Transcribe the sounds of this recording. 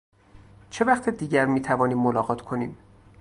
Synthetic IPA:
t͡ʃʰe̞væχt̪ʰed̪iːɟæɾmiːt̪ʰævɒːniːmːolɒːɣɒːt̪ʰkʰo̞niːm

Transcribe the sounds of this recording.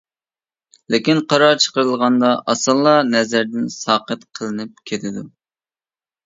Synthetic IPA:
lɪkʲinqʰɑɾɑɾt͡ʃʰə̥qəɾɨlˠʁɑnd̪ɑʔɑsɨlˠːɑnɛzæɾd̪ɪnsɑːqət̪qʰəlˠɨnɨp̚kʲʰet̪ʰɪd̪u

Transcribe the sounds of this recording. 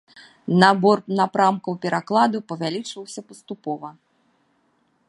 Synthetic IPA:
nabɔrnapɾamkɐwpʲɛɾʔaklˠad̪upɐvʲalʲit͡ʂvɐwsʲɐpɐst̪upɔvɐ

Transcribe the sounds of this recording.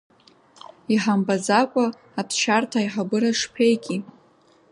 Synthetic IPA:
iħambazakʷʼa | apʰʃartʰaiħabɨɾaʂpʰe̞jkʲʼi

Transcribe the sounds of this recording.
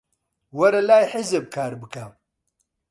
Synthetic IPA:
wɐɾɐlaːjħɪzeb̚kʰaːɾbɨkʰam

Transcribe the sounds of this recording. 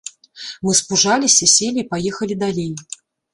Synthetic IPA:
mɨspuʐalʲisʲɐsʲelʲipajɛxɐlʲid̪alʲej

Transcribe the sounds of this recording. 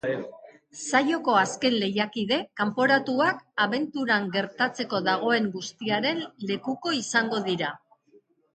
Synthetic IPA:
sajo̞ko̞aske̞nle̞jakiðe̞kampo̞ɾat̪uakaβe̞nt̪uɾaŋɡe̞ɾt̪at͡se̞ko̞ðaɣ̞o̞e̞ŋɡust̪iaɾe̞nle̞kuko̞isaŋɡo̞ðiɾa

